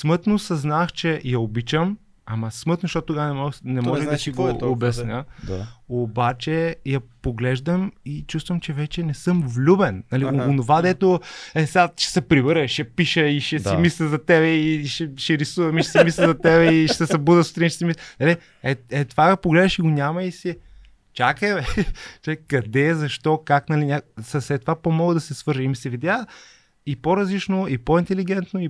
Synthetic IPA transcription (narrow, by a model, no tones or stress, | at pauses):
smɤt̪nosɐznaxt͡ʃɛjɐobit͡ʃəm | amɐsmɤt̪noʃt̪ɔt̪ːt̪ːoɡanɛmɔnɛmɔʒɛd̪siɡoːbɛsnʲə | obat͡ʃɛjɐpoɡlɛʒd̪əmit͡ʃust̪vɐmt͡ʃɛvɛt͡ʃɛnɛsɤmvlʲubɛnːɐlionovad̪ɛt̪oɛsɛɡaʃɛ̥sɛpɾibəɾəʃɛpiʃəiʃɛsimislʲɐzɐt̪ɛβɛiʃɛʃɛɾisuvɐmiʃɛsɛimislʲɛzɐt̪ɛbɛiʃsɛsɐbud̪əso̥t̪ɾiniʃɛ̥simisnɐli | ɛɛt̪vapoɡlɛd̪ɐʃiɡonʲamɐisi | t͡ʃakɛt͡ʃɛkɐd̪ɛzɐʃt̪ɔkaknɐlinʲasɐsɛt̪ːvapomɔɡəd̪ɐsɛsvɤɾʒɐimisɛvid̪ʲja | ipoɾɐzlit͡ʃnoipoint̪ɛliɡ̟ɛnt̪noi